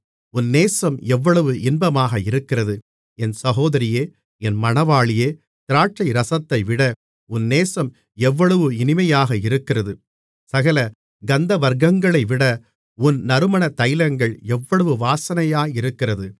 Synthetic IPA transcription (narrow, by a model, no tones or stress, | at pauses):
ʊnːeːsɐmɛʋːɐɭɐʋɯʔɪnbɐmaːɣɐɪɾɯkːɪrɐðɯ | ɛnsɐɣoːðɐɾɪjeː | ɛnmɐnɐʋaːɭɪjeː | t̪ɪɾaːʈt͡ʃɐɪɾɐsɐt̪ːɐɪʋɪɽɐ | ʊnːeːsɐm | ɛʋːɐɭɐʋɯɪnɪmɐjaːɣɐɪɾɯkːɪrɐðɯ | sɐɣɐlɐ | ɡɐnd̪ɐʋɐɾɡɐŋɡɐɭɐɪʋɪɽɐ | ʊnnɐɾɯmɐɳɐt̪ɐjɪlɐŋɡɐɭɛʋːɐɭɐʋɯʋaːsɐnɐjaːɪɾɯkːɪrɐðɯ